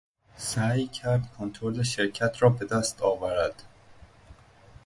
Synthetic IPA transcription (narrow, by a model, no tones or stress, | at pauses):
sæːjcʰæɾd̪̚kʰont̪ʰɾoleʃeɾcʰæt̪ʰɾɒːbe̞d̪æst̪ʰɒːvæɾæd̪̥